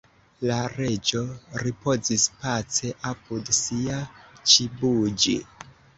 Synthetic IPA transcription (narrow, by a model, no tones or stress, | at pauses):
laɾe̞d͡ʒo̞ɾipo̞zispat͡se̞ʔapudsiat͡ʃibud͡ʒḭ